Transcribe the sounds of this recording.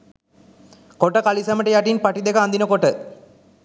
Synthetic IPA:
koʈəkalisɐməʈɐjaʈinpaʈid̪ekɐand̪inəkoʈə

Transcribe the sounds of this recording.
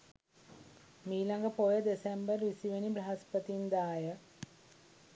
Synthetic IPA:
miːlaŋɡəpojəd̪esembərʋisiʋenibɾɐɦaspət̪ind̪aːjə

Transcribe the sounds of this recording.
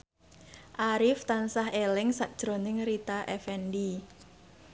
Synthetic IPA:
ʔaɾɪft̪ansaɦelɪŋsaʔ̚d̥ʒ̥ɾonɪŋɾit̪aʔɛfɛndi

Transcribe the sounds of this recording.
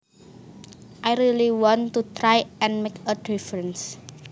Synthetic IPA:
ʔajɾiliwɔ̃nt̪ut̪ɾajɛ̃nmekədifɾə̃ns

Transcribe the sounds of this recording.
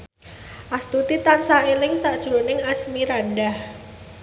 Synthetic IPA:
ʔast̪ut̪it̪ansaelɪŋsaʔd̥ʒ̥ɾonɪŋasmiɾanɖah

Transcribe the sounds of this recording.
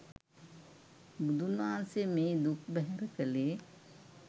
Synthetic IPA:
bud̪ʱunʋaːnsemeːd̪ukʰbɛɦɛɾəkəleː

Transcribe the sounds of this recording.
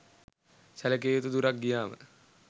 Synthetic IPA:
sælək̬eːot̪ud̪uɾak̚ɡijaːmə̰

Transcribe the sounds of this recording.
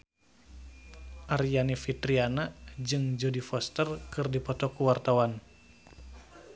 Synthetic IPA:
ʔaɾijanifit̪ɾianad͡ʒɨŋd͡ʒɔdifɔst̪ərkɨrdipɔt̪ɔkuwart̪awan

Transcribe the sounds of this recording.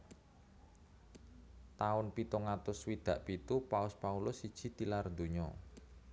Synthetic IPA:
t̪aʊnpit̪ɔŋat̪ʊswid̪̥ä̤ʔpit̪upaʊspaulʊsid̥ʒ̥i̤t̪ilard̪oɲɔ

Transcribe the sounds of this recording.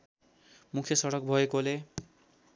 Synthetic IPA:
mukʰjʌsʌɽʌk̚bʱʌekole

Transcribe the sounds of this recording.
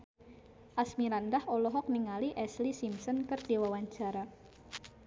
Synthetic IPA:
ʔasmiɾandaholɔɦɔk̚niŋaliʔɛslisimsɔnkərd̥ewawaɲt͡ʃaɾa

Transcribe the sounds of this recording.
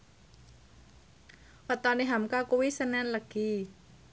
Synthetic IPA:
wət̪ɔniɦamkakuwisənɛnləɡ̥i

